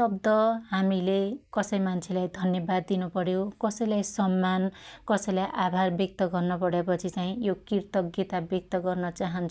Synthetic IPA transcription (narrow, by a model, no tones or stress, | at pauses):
sʌb̚d̪ʌɦamilekʌsʌjmant͡sʰelajd̪ʱʌnjʌbad̪ːinupʌɾjokʌsʌjlajsʌmːankʌsʌjlajʔabʱarbjʌk̚t̪ʌɡʌrnʌpʌɽapʌt͡sʰit͡saĩjokirt̪ʌɡet̪abjek̚t̪ʌɡʌrnʌt͡saɦʌnt͡sʰu